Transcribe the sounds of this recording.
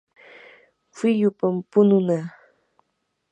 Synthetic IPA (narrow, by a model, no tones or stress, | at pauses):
fɪʎʊpampʊnʊnaː